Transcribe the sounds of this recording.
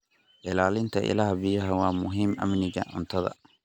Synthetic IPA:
ʔɪlaːlɪnt̪ʰɐʔɪ̰laːhbɪjɐɦɐwɑːmʊɦiːmɐ̰mnɪɣɐʔʊnt̪ʰɐðɐ̰

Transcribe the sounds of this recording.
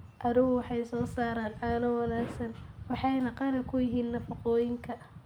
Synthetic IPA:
ʔɐðɪɣʊwɑħɑjsɔːsaːɾaːnʔaːnɐwɑnaːksɐnwɑħɑjnɐqɑlɐkʰʊjɪɦiːnnɐfɑqɔːjɪŋkʰɐ

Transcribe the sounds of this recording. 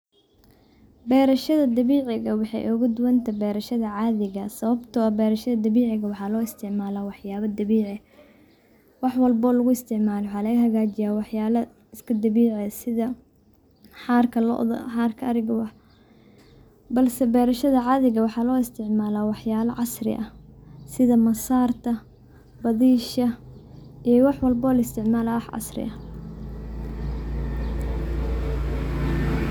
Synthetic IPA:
bɛːɾɐʃɐðɐd̪ɐβiːʕɪɣɐwɑħɑ̰jʔʊɣʊd̪ʊwɐnt̪ʰɐbɛːɾɐʃɐðɐʕɑːðɪɣɐsɐβɐbt̪ʰʊɐbɛːɾɐʃɐðɐd̪ɐβiːʕɪɣɐwɑħɑːlɔːɪst̪ʰɪʕmaːlaːwɑħjaːβɐd̪ɐβiːʕɪ | wɑħwɐlbɔlɐɣʊɪst̪ʰɪʕmaːlɛwħɑːlɐɣɐɦɐɣaːt͡ʃɪjaːwɑħjaːlɐ | ɪskʰɐd̪ɐβiːʕɛsɪðɐ | ħɑːrkʰɐlɔ̰ʔðɐ̰ħaːrkʰɐɐɾɪɣɐwɑħ | bɐlsɛbɛːɾɐʃɐðɐʕɑðɪɣɐwɑħɑːlɔːɪst̪ʰɪʕmaːlaːwɑħjaːlɐʕɑsrɪ̰ʔɐsɪðɐmɐsaːrt̪ʰɐ | bɐðiːʃɐ | ʔijɔwɑħwɑlbɔlɐɪst̪ʰɪʕmaːlawɑħʕɑ̰srɪ̰ʔɐ

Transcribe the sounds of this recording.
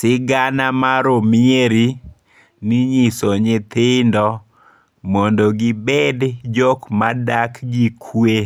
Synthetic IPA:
sɪɡanamaɾomɪeɾi | nɪɲɪsɔɲet̪ɪndɔ | mɔndoɡɪbɛdd͡ʒɔkmadakɡikʰwe

